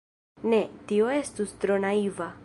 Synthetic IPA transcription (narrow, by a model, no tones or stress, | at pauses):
ne̞tio̞e̞stust̪ɾo̞naiva